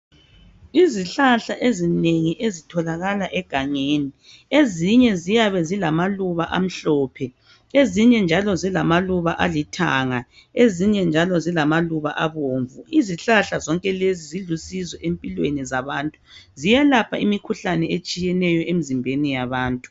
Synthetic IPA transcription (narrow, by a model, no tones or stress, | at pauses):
iziɬaɬaʔezineŋiʔezitʰɔlaɣalaʔɛɡ̥ʱaŋeːni | eziɲɛzijaβɛzilamaluβaʔa̰m̩ɬɔːpʰɛ | eziɲɛnd͡ʒʱalɔzilamaluβaʔalitʰaːŋa | eziɲɛnd͡ʒʱalɔzilamaluβa̰ʔaβoːɱvuiziɬaɬazɔŋkʼɛleziziɮusizwɛʔempʼilwenizaβaːntʼuzijalapʰa̰imikʰuɬanɛet͡ʃʼijɛnɛjɔʔemizimbʱenijaβaːntʼu̥